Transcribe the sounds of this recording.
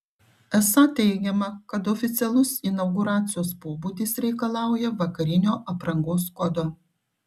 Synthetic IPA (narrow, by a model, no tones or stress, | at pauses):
ɛsɐt̪ʲɛɪɡʲɛmɐkɐt̪ɔfʲɪt̪sʲɛlˠʊsɪnɐʊɡʊɾɑːt̪sʲɪjoːspoːbuːd̪ʲɪsɾʲɛɪkɐlˠɑˑʊjɛʋɐkɐɾʲɪnʲoːʔɐpɾɐŋɡoːskɔd̪oː